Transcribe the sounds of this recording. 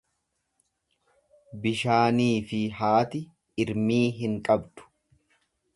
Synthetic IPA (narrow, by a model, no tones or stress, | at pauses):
bɪʃaːniːfɪhaːt̪ɪ | ɪɾmiːɦɪŋkʼɐbd̪ʊ̥